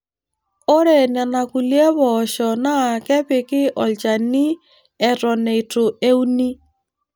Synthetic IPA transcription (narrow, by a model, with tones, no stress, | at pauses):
o˦ɾe˨na˨na˨ku˨lje˦βɔ˨ʃɔ˨na˦˨kɛ˦pɪ˨kɪ˦ʔɔ˨lt͡ʃa˨ni˦ | ɛ˨tɔ˨ne˨i˨to˨e˦u˦ni˦